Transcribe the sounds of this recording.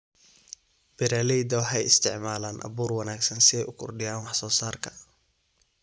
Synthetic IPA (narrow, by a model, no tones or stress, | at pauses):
b̥ɪɾaːlɛjd̪ɐwħɛjɪst̪ʰɪ̰ʕmaːlaːnʔɐ̰βuːrwɐnaːɡsɐnsɪɛjʊkʰʊrɖɪjaːnwɑħsɔːsaːrkʰɐ